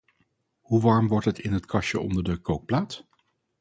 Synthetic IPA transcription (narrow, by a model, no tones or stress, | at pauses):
huʋɑɹmʋɔɹtɦətɪnɦətkʰɑʃəɔ̰ndəɹdəkowk̚plaːt